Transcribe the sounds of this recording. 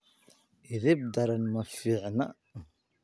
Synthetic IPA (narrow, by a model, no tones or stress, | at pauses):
iðib̚d̪ɑɾˤanmæfiʕnæ̰